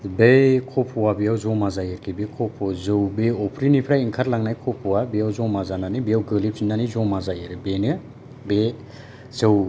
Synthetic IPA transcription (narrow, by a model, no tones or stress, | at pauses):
bejkʰɔpʰɔwabijawzɔwmazajɯɾkʰibekʰɔpʰɔzɯwbeɔpʰɾinipʰɾaiŋkʰaɾlaŋnajkʰɔpʰuwabijawzɔwmazananibijawɡɯlip̚inːanizɔmazajɯɾɯbenɯ | be | zɯw